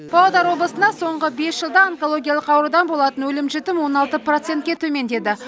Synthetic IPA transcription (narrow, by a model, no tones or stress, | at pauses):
b̥ɑw̪ˠəd̪ɑɾwo̞blˠəsənɑso̞ɴʁəbe̞sʒəlˠd̪ɑːŋkolˠo̞ɡʲijɑlˠəqɑwɾəd̪ɑnbo̞lˠɑt̪ənwɵlɪmʒɪt̪ɪmwo̞nɑlˠt̪əprot̪se̞nt̪̚kʲe̞t̪ʰɵme̞nd̪e̞d̪ɪ